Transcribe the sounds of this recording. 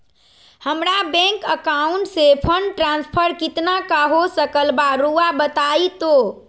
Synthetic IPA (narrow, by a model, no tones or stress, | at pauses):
həmɾabɛ̃ŋkəkauɳʈsepʰəɳɖʈɾãnspʰəɾkit̪nakaɦosəkəlbaɾuabət̪ait̪o